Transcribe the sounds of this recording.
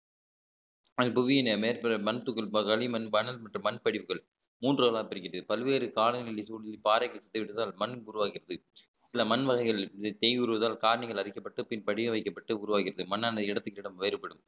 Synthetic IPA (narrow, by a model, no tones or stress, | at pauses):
ɐpʊʋɪjɐnɐmeːɾpɐɾɐmɐnɐt̪ːɯkːɯɭɐkɐɭimɐnbɐnɐlmɐʈrɯmːɐnpɐɽɪʋɯɣɐɭ | muːndrɯɐlaːpɪɾɯkːɪɾɐðɯpɐlʋeːɾɯkaːlɐɐnɪɭisuːɽɪlipaːɾɐɪkːɐsɐt̪ːɪʋɪʈːɐðaːlmɐnːʊɾʊʋaːkɪɾɐðɯ | sɪlɐmɐnʋɐɣɐɪɣɐɭt̪ɛjʋɪʊɾɯʋɐðaːlkaːɾɐɳɪɣɐɭɐɾɪkːɐpːɐʈːɯpɪnpɐɽɪʋɐʋɐɪkːɐpːɐʈːɯʊɾʊʋaːkɪɾɐðɯmɐnːaːnɐɪɽɐt̪ːɯkːɯɪɽɐmʋeːɾɯpːɐɽɯm